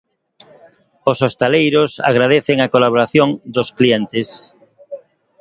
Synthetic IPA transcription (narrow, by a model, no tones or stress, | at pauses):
osost̪elejɾosa̰ɣ̞ɾaðeθeŋakolaβoɾaθjõŋd̪osklient̪es